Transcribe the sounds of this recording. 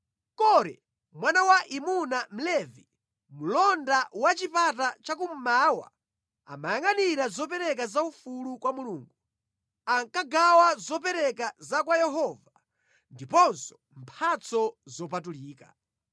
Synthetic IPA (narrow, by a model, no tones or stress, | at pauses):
kɔɾɛ̰ | mwanawaʔimunam̩lɛvi | mulɔndawat͡ʃipat̬at͡ʃak̬um̩maːwa̰ | a̰majaŋaniɾazɔpɛɾɛk̬azaufulukwamuluːŋɡu | aŋkaɡawazɔp̬ɛɾɛkazak̬wajɛɦɔva | ndipɔnsɔ̥ | mpʰat͡sʰɔzɔpatuliːka̰